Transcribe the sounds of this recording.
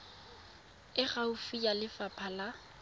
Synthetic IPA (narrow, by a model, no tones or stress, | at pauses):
ɪχaʊfijalɪfapʰala